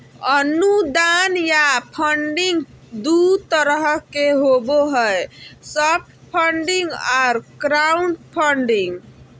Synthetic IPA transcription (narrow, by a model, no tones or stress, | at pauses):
ənud̪anjapʰəɳɖiŋɡ | d̪ut̪əɾəɦəkeɦoboɦəesəb̚ʈpʰəɳɖiŋɡaɾkɾauɳpʰəɳɖiŋɡ